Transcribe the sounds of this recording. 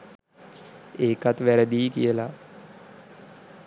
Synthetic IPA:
eːkat̪ʋæɾəd̪iːkijəla

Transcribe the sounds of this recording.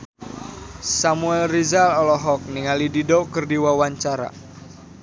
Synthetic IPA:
samuɛlrizalɔlɔɦɔk̚niŋalididɔkərdiwawaɲt͡ʃaɾa̰

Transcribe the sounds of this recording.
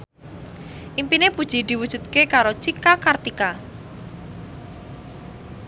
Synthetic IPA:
ʔimpinepud̥ʒ̥i̤d̪̥i̤wud̥ʒ̥ṳd̪̚kekaɾot͡ʃikakart̪ika

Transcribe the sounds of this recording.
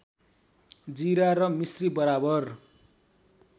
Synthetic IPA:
d͡ziɾaɾʌmisribʌɾabʌr

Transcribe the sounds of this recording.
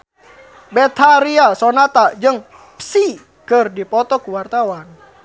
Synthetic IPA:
bɛt̪ʰaɾiasɔnat̪ad͡ʒəŋ | psi | kɨrdipɔt̪ɔkuwart̪awan

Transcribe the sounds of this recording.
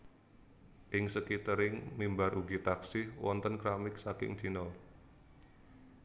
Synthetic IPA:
ʔɪŋsəkit̪əɾɪŋmimbaɾʔuɡit̪aksɪhwɔ̰nt̪ənkɾamɪk̚sakɪ̰ŋd͡ʒ̥inɔ

